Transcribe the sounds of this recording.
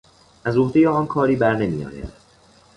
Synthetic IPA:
ʔæzɾoɦd̪ejeɒːnkʰɒːɾiːbæɾne̞miːjɒ̰ːɾæ̰

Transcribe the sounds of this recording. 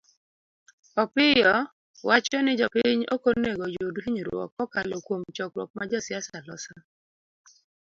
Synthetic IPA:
ɔpɪjɔ | wat͡ʃɔnɪd͡ʒɔpɪɲokoneɡojoduhiɲiɾwɔ̰kɔkalɔkwomt͡ʃɔkwɔ̰k̚mad͡ʒɔsɪasalɔsa

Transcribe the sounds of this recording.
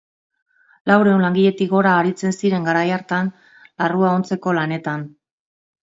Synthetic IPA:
lawɾe̞uwnlaŋɡiʎe̞t̪iɣo̞ɾaːɾit͡se̞nsiɾe̞ŋɡaɾajaɾt̪an | laruao̞nt͡se̞ko̞lane̞t̪an

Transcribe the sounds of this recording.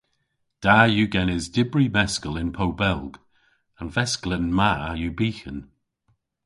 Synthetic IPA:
d̥ajuɡɛnɪzdɪbɹivɛskəlɪ̃npʰowbɛlˠɡ | ə̃nvɛsklən̩maajubiːxən

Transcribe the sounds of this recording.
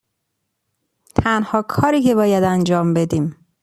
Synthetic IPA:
t̪ʰænhɒːkʰɒːɾiːcʰe̞bɒːjæd̪ænd͡ʒɒːmbe̞d̪iːm

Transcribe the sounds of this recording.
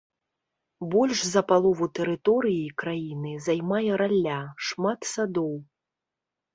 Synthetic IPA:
bɔlʲʐzɐpalˠɔvut̪ɛɾɨt̪ɔɾɨjikɾajinɨzajmajɛɾalʲːaʂmat̪sad̪ɔw

